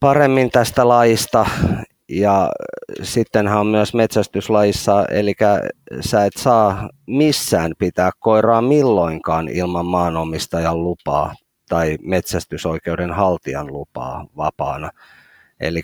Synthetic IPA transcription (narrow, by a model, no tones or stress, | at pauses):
pɑremːint̪æst̪ælɑjist̪ɑ | jɑ | sit̪ːenhæommyøsmet̪sæst̪yslɑjisːɑḛlikæsæet̪sɑːmisːæːnpit̪æːkkoirɑːmilːoiŋkɑːnḭlmɑmːɑːnomist̪ɑjɑllupɑ̰ː | t̪ɑimet̪sæst̪ysoikeudenhɑlt̪iɑnlupɑ̰ːʋɑpɑːnɑ | ḛli